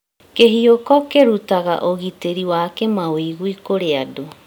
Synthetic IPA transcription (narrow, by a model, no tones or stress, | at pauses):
keɦiokɔkeɾutaɣa̰ʔoɣiteɾiwaːkemaweiɣuikoɾeado